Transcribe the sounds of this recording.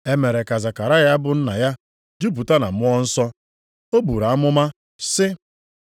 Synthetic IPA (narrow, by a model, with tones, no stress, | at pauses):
e˦me˨ɾe˨ka˨za˨ka˨ɾa˦ja˦bʊ˦n̩˦na˨ja˦ | d͡ʒu˦bu˨ta˦na˨mʊ˦ɔ˦n̩˦sɔ˦ | o˦bu˨ɾa˨a˦mʊ˦ma˦ | sɪ˦